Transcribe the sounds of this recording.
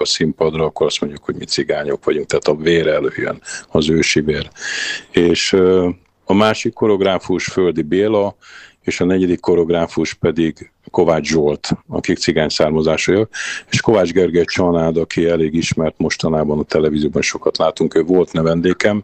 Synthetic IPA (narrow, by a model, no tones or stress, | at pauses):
ɒsimpɒd̪rɒɒkːo̞ɾɒst̪mo̞ɲɟukho̞ɟmit̪siɡaːɲokʋɒɟuŋk̚t̪aːt̪ɒveːɾɛløjø̰nɒzøːʃiveːr | eːʃ | ɒmaːʃikːo̞ɾo̞ɡraːfuʃføld̪ibeːlɒ | eːʃɒnɛɟɛd̪ikːo̞ɾo̞ɡraːfuʃpɛd̪iɡ | ko̞vaːd͡ʒʒolt̪ɒ̰kikt̪siɡaːɲsaːrmɒzaːʃojɒke̥ːʃko̞vaːd͡ʒɡɛrɡɛt͡ʃɒnaːd̪ɒkiɛleːɡiʃmɛrt̪mo̞ʃt̪ɒnaːbɒnɒt̪ɛlɛvizioːbɒnʃo̞kɒt̪laːt̪uŋkøːvo̞lt̪nɛvɛnd̪eːkɛm